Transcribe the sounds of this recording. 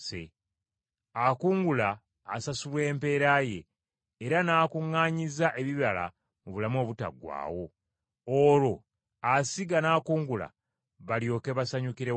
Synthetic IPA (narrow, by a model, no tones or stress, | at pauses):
sḛ | akuːŋɡulaː | sasuβwe̞ːmpe̞ːɾaje̞̰ː | ɾanaːkuŋːaːɲizaʔe̞βiβala̰ | muβulamo̞ːβuta̰ɡwa̰ːwo̞ | oːlo̞ | asiɡanaːkuːŋɡula̰ | βaljo̞ːke̞βasaɲukiɾe